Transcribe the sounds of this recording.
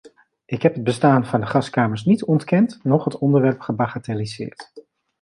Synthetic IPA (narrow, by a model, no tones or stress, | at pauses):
ʔɪkɦɛpɦəd̚bəstaːnvɑndəχɑskaːməɹsnitɔntkɛntnɔχɦətɔndəɹʋɛɹpχəbaχatelizɪ̰ːɹt